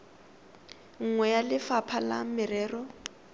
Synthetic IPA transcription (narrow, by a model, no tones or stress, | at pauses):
ŋ̩ŋwɛjalɪfapʰala̰mɪrɛːrɔ